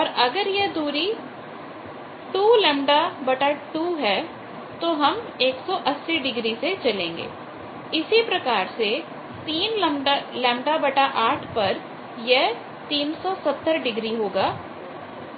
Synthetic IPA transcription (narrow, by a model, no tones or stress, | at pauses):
ɔːɾɐɡəɾjed̪uːɾi | ʈuːlɛ̃ːmɖabɐʈaʈuːɦɛː | t̪oɦɐm | eːksɔːʔɐsːiɖɪɡɾiset͡ʃɐlẽːŋɡḛː | ɪsipɾɐkaːɾse | t̪iːnlmlɛ̃ːmɖabɐʈaʔaːʈʰpɐɾ | jeɦ | t̪iːnsɔːsɐt̪ːəɾɖɪɡɾiɦoːɡaː